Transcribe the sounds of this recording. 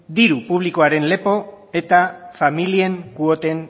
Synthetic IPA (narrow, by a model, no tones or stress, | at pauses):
d̪iɾupuβliko̞aɾe̞nle̞po̞ | e̞t̪afamilie̞ŋkuo̞t̪e̞n